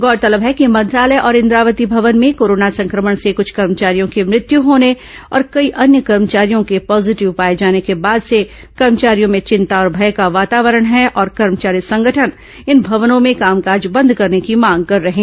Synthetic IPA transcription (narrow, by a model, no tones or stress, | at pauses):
ɡɔːɾt̪ɐləbɦɛkimɐ̃nt̪ɾaːləjʔɔːɾɪ̃nd̪ɾaːʋət̪ibʱɐʋənmẽkoːɾoːnasɐ̃ŋkɾəməɽ̃sekʊt͡ʃʰkɐɾmət͡ʃaːɾijõkemɾɪt̪juɦoːne | ɔ̰ːɾkɐiʔɐnjəkɐɾmət͡ʃaːɾijõkepɔːzɪʈɪʋpaːed͡ʒaːnekebaːd̪se | kɐɾmət͡ʃaːɾijõmẽt͡ʃɪ̃nt̪aɔːɾbʱɐjkaʋaːt̪aːʋəɾəɽ̃ɦɛʔɔːɾkɐɾmət͡ʃaːɾisɐ̃ŋɡʱəʈʰən | ɪnbʱɐʋnõmẽkaːmkaːd͡ʒbɐ̃nd̪ʱkɐɾnekimãːŋɡ̚kɐɾːɐɦẽː